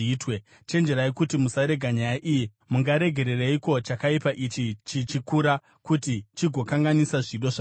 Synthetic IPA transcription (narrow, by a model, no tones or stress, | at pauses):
twe | t͡ʃe̞nd͡ʒeɾaekutimusaɾe̞ɡʱaɲajaʔiji | muŋɡaɾe̞ɡʱe̞ɾe̞reiko̞t͡ʃakaipaʔit͡ʃit͡ʃit͡ʃikuɾa | kutit͡ʃiɡʱo̞kaŋɡanisaʐiɗo̞ʐa